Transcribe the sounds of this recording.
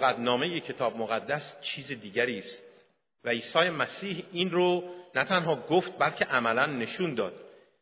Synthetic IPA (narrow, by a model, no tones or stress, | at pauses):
ɣæt̪nɒːme̞jecʰe̞t̪ʰɒːbmoɣæd̪ːæst͡ʃʰiːzid̪iːɟæɾiːst̪̚ | væiːsɒːjemæsiːhiːnɾonæt̪ʰænɦɒːɡoft̪̚bælcʰe̞ʔæmælænːe̞ʃuːnd̪ɒːd̪̥